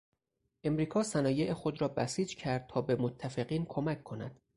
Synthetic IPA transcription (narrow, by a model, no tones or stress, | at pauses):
ʔe̞mɾiːkʰɒːsænɒːje̞ʔexod̪ɾɒːbæsiːd͡ʒcʰæɾd̪̥̚t̪ʰɒːbe̞mot̪ʰːæfe̞ɢiːnkʰo̞mækʰkʰːo̞næd̪̥